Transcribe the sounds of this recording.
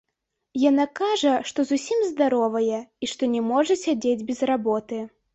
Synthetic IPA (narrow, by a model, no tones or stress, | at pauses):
janakaʐɐʂt̪ɔzusʲimzd̪aɾɔvɐjɛiʂt̪ɔnʲɛmɔʐɐsʲad͡zʲed͡zʲbʲɛzrabɔt̪ɨ